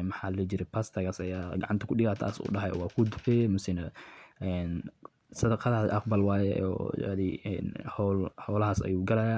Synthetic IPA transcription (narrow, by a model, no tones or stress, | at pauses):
mɐħaːlɐlɛd͡ʒɪɾɛpʰast̪ʰɐɣɐsɐjaːɡɐʕɑnt̪ʰɐkʰʊɗɪɣaːt̪ʰa̰ːsṵːɖɐɦɐj̰wɑːkʰʊd̪ʊħɛːmʊsɪnɐɛn | sɐd̪ɐqɑðaʔɑqbɐlwɑːjɛ̰ɔ̰a̰ðɛɛ̰nhɔlhɔːlɐɦasɐ̰juːɡɐlɐjaː